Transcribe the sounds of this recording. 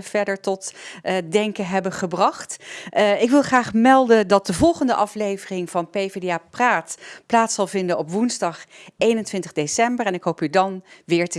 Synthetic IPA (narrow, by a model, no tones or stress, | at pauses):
v̥ɛɹdəɹtɔtdɛŋkəɦɛbənχəbrɑχt | ɪkʋɪlˠχraːχmɛlˠdəndɑt̚dəvɔlˠχəndəʔɑflejvərɪŋvɑnpejvedapraːtplaːtsɑlˠvɪndənɔpʋunzdɑχejnəntʋɪntəʁdesɛmbəɹɛnɪkɦowpydɑnʋɪːɹtə